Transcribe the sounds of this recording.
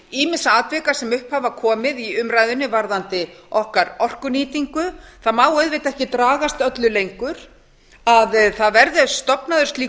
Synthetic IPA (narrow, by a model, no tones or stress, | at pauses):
iːmɪnsaaːt̪vɛkḁsɛmʏhphavakʰɔːmɪðiʏmɾrajðʏnɪvaɾðant̪ɪɔhkaɾɔr̥kʏniːt̪iŋkʏθaðmaːwœɥðvɪt̪ɛhcɪt̪ɾaːɣast̪œt̪lʏlejŋkʏɾ̥ | aðθaðvɛɾðɪst̪ɔpnaðʏɾ̥st̪liː